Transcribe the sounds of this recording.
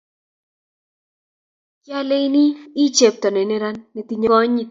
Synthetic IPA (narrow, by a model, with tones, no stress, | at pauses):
kja˦le˦i˦ni˦i˦t͡ʃe˨p̚t̪ɔ˨ne˨ne˦ɾa˦nːe˨t̪i˨˦ɲo˦ɔ˦ɲi˨